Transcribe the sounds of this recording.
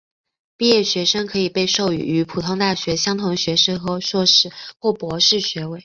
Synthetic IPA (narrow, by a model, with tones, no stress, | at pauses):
pi˥˧jɛ˥˩ɕɥɛ˧˥ʂɤ˥ŋkʰɤ˧˥i˨˩pe˥˧ɪʂo˥˩ʊy̰˨˧˥y˧˥pʰu˨˩t̪ʰʊ˥ŋt̪a˥˩ɕɥɛ˧˥ɕjɑ˥ŋt̪ʰʊ˧˥ŋɕɥɛ˧˥ʂɤ˥ŋxɤ˧˥ʂwɔ˥˧ʂɻ̩˥˩xwɔ˥˩pwɔ˧˥ʂɻ̩˥˩ɕɥɛ˧˥we˥˩ɪ